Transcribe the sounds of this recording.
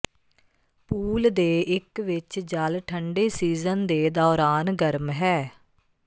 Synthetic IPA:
puːld̪eːɪkʋɪt͡ʃd͡ʒəlʈʰəɳɖeːsiːzənd̪eːd̪ɔːɾaːnɡəɾmɦɛː

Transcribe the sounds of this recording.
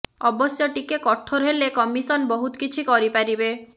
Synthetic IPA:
ɔbɔsjɔʈikekɔʈʰoɾɦelekɔmisɔnbɔɦut̪ɔ̥kit͡ʃʰikɔɾipaɾibe

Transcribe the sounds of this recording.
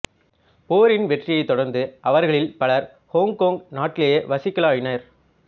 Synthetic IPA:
poːɾɪnʋɛʈrɪjɐɪt̪ːɔɽɐɾnd̪ɯʔɐʋɐɾɣɐɭɪlpɐɭɐɾ | hoːŋɡkoːŋɡnaːʈːɪlɐjɐʋɐsɪkːɐlaːjɪnɐɾ

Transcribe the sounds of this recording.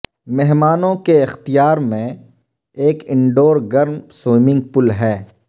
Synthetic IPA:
mɛɦmaːnõkeɪxt̪ijaːɾmẽ | eːkɪ̃ɳɖoːɾɡɐɾnsoːmɪ̃ŋɡ̚pʊlɦɛː

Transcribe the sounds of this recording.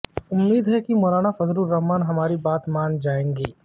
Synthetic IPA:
ʊmːiːd̪ɦɛkimɔːlaːnafɐzɾuɾːɐɦmaːnɦɐmaːɾibaːt̪maːnd͡ʒaːẽːŋɡiː

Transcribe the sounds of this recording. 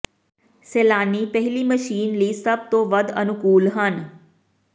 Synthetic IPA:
seːlaːnipəɦɪliməʃiːnliːsəb̚t̪oʋəd̪ə̰nʊkuːlɦən

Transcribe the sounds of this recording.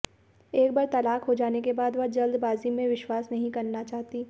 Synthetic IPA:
eːk̚baːɾt̪ɐlaːkɦod͡ʒaːnekebaːd̪ʋɐɦd͡ʒɐld̪baːzimẽʋɪʃwaːsnɐɦĩkɐɾnat͡ʃaːɦt̪i

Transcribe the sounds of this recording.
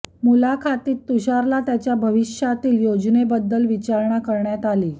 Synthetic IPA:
mulakʰat̪iːt̪ːuɕaɾlat̪jat͡ɕjabʱəʋiɕjat̪iːljod͡ʑnebəd̪ːəlʋit͡ɕaɾɳjakəɾɳjat̪aliː

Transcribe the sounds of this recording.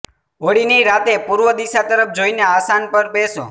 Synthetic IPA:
oɽiniɾat̪epuɾʋəd̪iʃat̪əɾəp̚ʰd͡ʒoineasanpəɾbeso̰

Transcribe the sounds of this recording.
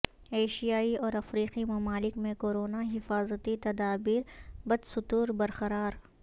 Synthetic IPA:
eːʃijaːiɔːɾɐfɾiːqimɐmaːlɪkmẽkoːɾoːnaɦɪfaːzət̪it̪ɐd̪aːbiːɾbɐd̪sʊt̪uːɾbɐɾqɐɾaːɾ

